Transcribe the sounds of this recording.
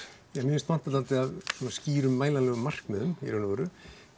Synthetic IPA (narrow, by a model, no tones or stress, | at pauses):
jamʏːɪst̪mant̪at̪ant̪ɪaðsɔnasciːɾʏmːaːjlalɛːɣʏmːar̥kmɛðʏmḭɾœnavɔːɾʏ